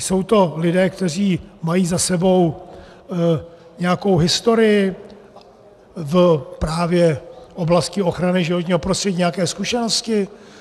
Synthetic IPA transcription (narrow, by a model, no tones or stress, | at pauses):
so̞wt̪o̞lɪdɛːkt̪ɛr̝iːmajiːzasɛbo̞w | ɲɛjako̞wɦɪst̪o̞ɾɪjɪ | vpɾaːvjɛʔo̞blascɪo̞xɾanɪʒɪvo̞t̪ɲiːɦo̞pɾost̪r̥ɛɟiːɲɛakɛːskuʃɛno̞scɪ